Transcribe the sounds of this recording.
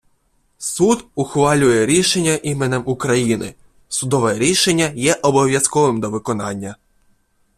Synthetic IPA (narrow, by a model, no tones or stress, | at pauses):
sud̪ʊxʋɑlʲʊjɛɾʲiʃenʲːɐʔimenɛmukɾɐjinɪ̰ | sʊd̪ɔʋɛɾʲiʃenʲːɐjɛʔɔbɔʋʲjɐskɔʋɪmd̪ɔʋɪkɔnɑnʲːɐ